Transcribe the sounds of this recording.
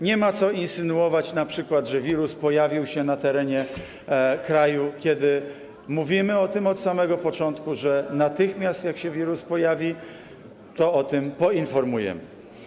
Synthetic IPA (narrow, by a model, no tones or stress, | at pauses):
ɲɛmat̪sɔinsɘnuɔvat͡ɕnapʂɘkwad̪ʐɛvʲiɾuspɔjavʲiwɕɛnat̪ɛɾɛɲɛ | kɾajukʲɛd̪ɘ | muvʲimɘɔt̪ɘmɔt̪samɛɡɔpɔt͡ʂɔnt̪kuʐɛnat̪ɘxmʲjast̪jakɕɛvʲiɾuspɔjavʲi | t̪ɔɔt̪ɘmpɔinfɔɾmujɛ̰mɘ